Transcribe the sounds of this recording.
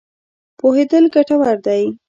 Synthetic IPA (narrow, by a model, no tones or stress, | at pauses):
pohed̪əlɡaʈawaɾd̪aj